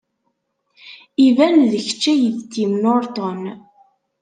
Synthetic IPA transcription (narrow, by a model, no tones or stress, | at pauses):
ivænðəçə̥t͡ʃːæjəðt̪ːimnoɾˤt̪on